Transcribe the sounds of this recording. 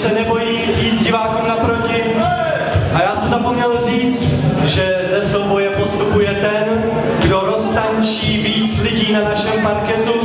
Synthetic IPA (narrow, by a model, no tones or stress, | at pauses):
sɛnɛbo̞jiːbiːt̪ɟɪvaːkuːmnapɾo̞cɪ | ʔajaːsɛmzapo̞mɲɛlriːt͡st̪ʒɛ | zɛso̞wbo̞jɛpost̪upujɛt̪ɛn | ɡdo̞ɾo̞st̪aɲt͡ʃiːviːt͡slɪɟiːnanaʃɛmpaɾkɛt̪u